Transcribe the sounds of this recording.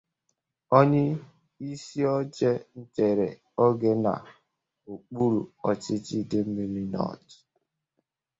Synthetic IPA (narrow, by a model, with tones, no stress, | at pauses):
ɔ˦ɲɪ˦ | i˦si˦ɔ˦d͡ʒe˦n̩˨t͡ʃe˨ɾḛ˨ | ɔ˦ɡe˦na̰˨ | o˨k͡pu˦ɾṵ˨ɔ˨t͡ʃɪ˦t͡ʃi˦de˦m̩˦mi˦ɾi˦nɔ̰˦˨tɪ̥˨